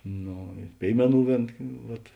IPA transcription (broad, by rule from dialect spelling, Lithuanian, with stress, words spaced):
ˈnoː ɪr ˈpʲeːɪmʲɛˌnuː ˈʋʲeːn ˈʋɐt